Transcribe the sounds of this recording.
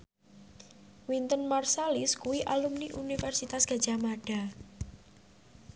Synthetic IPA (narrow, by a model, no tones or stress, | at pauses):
wint̪ənmarsaliskuwiʔalumniʔunifɛrsit̪asɡ̥a̤d̥ʒ̥amaɖ̥a̤